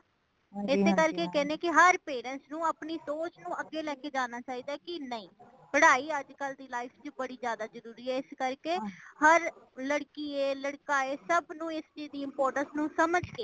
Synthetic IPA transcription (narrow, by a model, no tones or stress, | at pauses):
ɪt̪ʰːeːkəɾkeːkɛːnẽːkɪɦəɾpeːɾənsnũːəpniːsoːt͡ʃnũːəɡːeːlɛːkeːd͡ʒaːnaːt͡ʃaːiːd̪aːkɪnəĩː | pəɽaːiːəd͡ʒkəld̪iːlaːɪfʰt͡ʃbəɽiːzjaːd̪aːzəɾuːɾiːɛːɪskəɾkeːhəɾləɽkiːeːləɽkaːeːsəbnũːɪst͡ʃiːzd̪iːɪmpoːɾʈənsnũːsəməd͡ʒkeː